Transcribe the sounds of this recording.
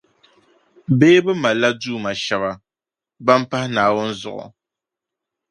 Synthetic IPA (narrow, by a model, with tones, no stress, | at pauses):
beː˦bɨ˦ma˨la˦duː˦˨ma˨ʃɛ˦βa˨ | ba˦m˦pa˦hɪ˦naː˨wʊ˦nzʊ̰˨ʔʊ̰˨